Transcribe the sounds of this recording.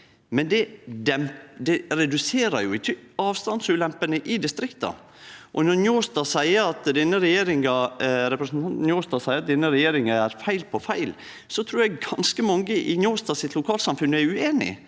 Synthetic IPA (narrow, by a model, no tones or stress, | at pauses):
mɛnd̪ɛd̪ɛmd̪ɛɾɛd̪ʉseːɾɑɾjʊɪt̪ʰɑːʋst̪ɑnsʉːlɛmpənəʔɪd̪ɪst̪ɾɪkt̪ɑ̰ | ʔɔnɔɾnjoːst̪ɑsæɪəɾɑt̪d̪ɛnːəɾɛjeːɾɪŋɑɾɛpɾəsnt̪ʰɑnt̪n̩joːst̪ɑsæɪəɾɑt̪̚d̪ɛnːəɾɛjeːɾɪŋɑæɾfæɪlpʰɔfæɪl | sɔt̪ʰɾuːɾjæɡɡɑnskəmɑŋːəʔɪnjoːst̪ɑsɪt̪ʰlʊkʰɑːlsɑmfʉnːæʉeːnɪ̰